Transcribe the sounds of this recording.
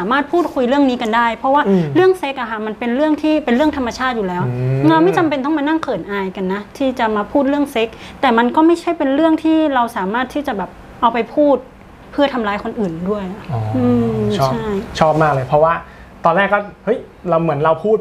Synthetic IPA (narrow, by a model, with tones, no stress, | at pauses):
saː˩˦maː˥˩t̪̚pʰuː˥˩t̪̚kʰu˧jɾɯ˥˩əŋniː˦˥ka˧nda˥˩jpʰɾɔ˦˥waː˥˩˧ɾɯ˥˩əŋse˦˥k̚ʔa˨kʰa˥˩ma˧npe˧nɾɯ˥˩əŋt̪ʰiː˥˩pe˧nɾɯ˥˩əŋt̪ʰa˧mːa˧t͡ɕʰaː˥˩t̪̚juː˨˩lɛː˦˥wŋɾa˧wma˥˩jt͡ɕa˧mpe˧nt̪̬ɔ˥˩maː˧na˥˩ŋkʰɤː˨˩nʔaː˧jka˧nːa˦˥t̪ʰiː˥˩t͡ɕa˨˩maː˧pʰuː˥˩t̪̚ɾɯ˥˩əŋse˦˥k̚t̪ɛː˨˩ma˧nkɔː˥˩ma˥˩jt͡ɕʰa˥˩jpe˧nɾɯ˥˩əŋt̪ʰiː˥˩ɾa˧wsaː˩˦maː˥˩t̪ʰːiː˥˩t͡ɕa˨˩bɛː˨˩p̚ | ʔa˧wpa˧jpʰuː˥˩t̪̚ | pʰɯ˥˩ɐt̪ʰa˧mlaː˧˥jkʰo˧nʔɯː˨˩ndu˥˩əjʔa˩ʔɔː˨˩˦ʔɯː˧t͡ɕʰt͡ɕːʰa˥˩jt͡ɕʰɔː˥˩p̚maː˥˩k̚lɤː˧jpʰɾɔ˦˥waː˥˩ | t̪ɔː˧nːɛː˥˩kːɔː˥˩hɤ˦˥j | ɾa˧wmɯ˩˦ənɾa˧wpʰuː˥˩t̪̚